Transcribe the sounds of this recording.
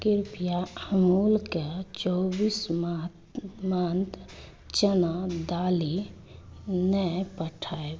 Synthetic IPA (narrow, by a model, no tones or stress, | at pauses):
kiɾpijaəmulket͡ʃɔbiːsm | mant̪ | t͡ʃənad̪ali | nəpəʈʰae